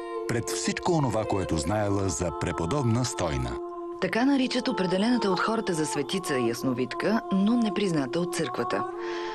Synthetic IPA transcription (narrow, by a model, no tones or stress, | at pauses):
pɾɛt̪fsit͡ʃkoːnovakoɛt̪ʊznaɛlˠəzɐpɾɛpod̪ɔbnəst̪ɔjnə̰ | t̪ɐkanɐɾit͡ʃət̪opɾɛd̪ɛlɛnət̪əot̪xɔɾət̪əzɐsvɛt̪it̪səijəsnovit̪kənonɛpɾiznat̪əot̪̚sɤɾkvət̪ə̰